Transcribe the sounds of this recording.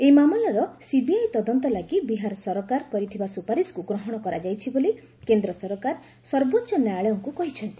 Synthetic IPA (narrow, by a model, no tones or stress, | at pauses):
ejmamɔlɔɾɔsibiajt̪ɔd̪ɔnt̪ɔlaɡibiɦaɾɔsɔɾɔkaɾkɔɾit̪ʰibasupaɾiskuɡɾɔɦɔɽ̃ɔkɔɾad͡ʒajt͡ʃʰiboli | kend̪ɾɔsɔɾɔkaɾ | sɔɾbotːʃɔnaɭeɔŋkukɔɦit͡ʃʰɔnt̪i̥